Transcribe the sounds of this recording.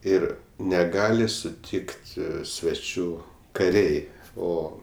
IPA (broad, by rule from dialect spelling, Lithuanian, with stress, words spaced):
ˈɪr nʲɛˈɡɑːlʲɪ sʊˈtʲɪkt sʲʋʲɛˈt͡ʃʲuː kɐˈrʲɛɪ ˈoː